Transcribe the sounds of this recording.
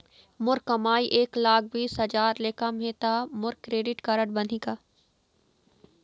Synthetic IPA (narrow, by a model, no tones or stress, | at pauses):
mʊɾkːɐmaːiʔeːklaːk̚ʰbiːsɦɐd͡ʒaːɾleːkamɦẽːt̪aːmʊɾkːɾeːɖɪʈkɐɾəɽbɐniɡaː